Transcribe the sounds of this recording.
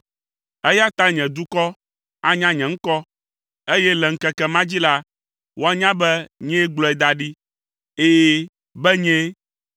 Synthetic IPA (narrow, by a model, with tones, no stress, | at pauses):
ɛ˦ja˦t̪a˦ɲɛ̃˨d̪u˦kɔ˦ | a˦ɲã˦ɲɛ̃˨ŋ̩˦kɔ˦ | e˦jɛ˦lɛ˨ŋ̩˦kɛ˦kɛ˦mã˦d͡ʑi˦la˦ | wo˦a˦ɲã˦bɛ˦ɲɛ̃˦ɡ͡blɔ˦ɛ˨d̪a˨ɖi˦ | eː˦ | bɛ˦ɲɛ̃˦